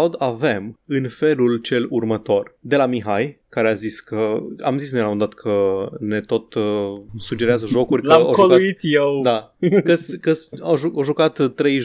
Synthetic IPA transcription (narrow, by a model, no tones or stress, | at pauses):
wd̪ave̞mɨnfe̞lult͡ʃe̞lurmət̪o̞rd̪e̞lamiɦajkaɾe̞aziskəa̰mzisnelaund̪at̪kʰəne̞t̪o̞t̪ | sud͡ʒe̞ɾeazəʒo̞kurʲklamokolkauit̪jewd̪akəskəsaʒuoʒukat̪ːɾe̞jʒ